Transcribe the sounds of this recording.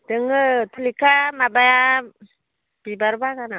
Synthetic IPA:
d̥ɯŋɯtʰulikʰamabaja | b̥ibaɾbaɡana

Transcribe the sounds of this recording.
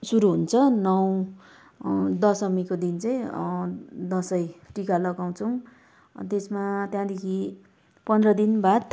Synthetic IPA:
suɾuɦunt͡sʰʌnʌw | d̪ʌsʌmikod̪int͡sʌj̃ | d̪ʌsʌjʈikalʌɡaw̃t͡sʰʌw | t̪esmat̪jãd̪ekʰi | pʌnd̪rʌd̪inbad̪

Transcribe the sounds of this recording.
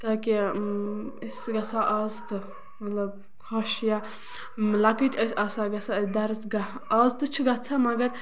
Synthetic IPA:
t̪aːki | isɡɐsaʔaːzt̪ɨ | mɐt̪lɐb | kʰoʃja | lakiʈʲɐsʲasaɡɐsad̪ɐɾsɡɐaːzt̪ɨt͡ʃʰiɡɐt͡sʰamɐɡɐɾ

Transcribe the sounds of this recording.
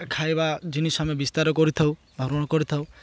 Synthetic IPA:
kʰajbad͡ʒinisamɔbist̪aɾɔkɔɾit̪ʰaw | d̪ʱɔɾɔɽ̃ɔkɔɾit̪ʰaw

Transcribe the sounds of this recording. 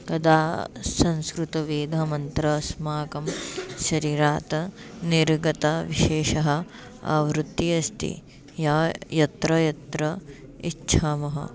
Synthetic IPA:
kɐd̪aːsɐ̃nskɾut̪ɐʋiːd̪ʱɐmɐnt̪ɾɐsmaːkɐmʃɐɾiːɾaːt̪ɐniɾɡɐt̪ɐʋiʃeːʃɐɦɐ̆ | ɐ̰ʋɾut̪ːiɐst̪ḭ | jaːjɐt̪ɾɐjɐt̪ɾɐitːt͡ʃʰaːmɐɦɐ̰

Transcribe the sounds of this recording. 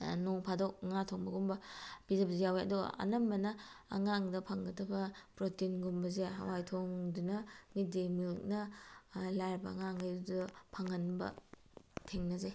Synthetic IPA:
nuŋpʰadok̚ŋatʰoŋbɐɡumbɐb̥izepizijaweɐ̰duɐ̰nɐmbɐnɐɐ̰ŋaŋdɐpʰaŋɡɐtɐbɐpɾotinɡumbɐzeɦa̰wajtʰoŋdunɐmidemilnɐ | lajɾbɐ̰ːŋaŋajdupʰaŋɐnbɐ̰ | tʰeŋnɐzaj

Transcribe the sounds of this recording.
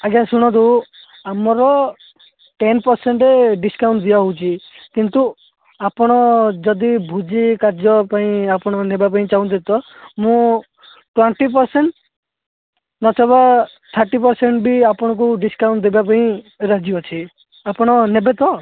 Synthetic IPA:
aɡjasuɽ̃ɔt̪d̪u | amɔɾɔ | ʈenpɔɾseɳʈeɖiskaw̃ɳʈd̪iaɦowt͡ʃʰikint̪u | apɔɽ̃ɔd͡ʒɔd̪ibʱud͡ʒikaɾd͡ʒɔpaĩapɔɽ̃ɔnebapaĩt͡ʃaũnt̪̬ʰit̪ɔmũ | ʈweɳʈipɔɾseɳʈ | nɔt͡ʃʰɔba | t̪ʰaɾʈipɔɾseɳʈbiapɔɽ̃ɔk̬uɖiskaw̃ɳʈ̚d̪ebapaĩ | ɾad͡ʒiɔt͡ʃʰi | apɔɽ̃ɔnebet̪ɔ

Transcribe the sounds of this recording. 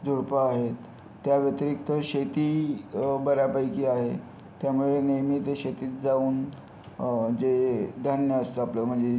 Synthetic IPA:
d͡zʱoɽpaːɦet̪ː | jaʋjət̪ɾikt̪əɕet̪i | bəɾjapəjkiːaɦe | t̪jamuɭenijmit̪ɕet̪iːt̪d͡zauːn | d͡ʑed̪ʱanjəəst̪əapləːm̤əɳd͡ze

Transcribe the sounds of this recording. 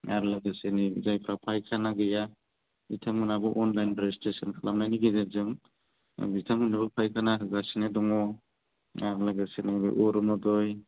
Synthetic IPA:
aɾlaɡasenizajpʰɾapʰajkʰanaɡɯja | bitʰaŋːɯnabɯʔɔnlajnbɾestesɔnkʰalamnajniɡizezɯŋ | bitʰaŋmɯnabɯpʰajkʰanaɯɡasinedɔŋɔ | aɾlaɡasenibɯ̰ʔɔɾɔnɔdɔj

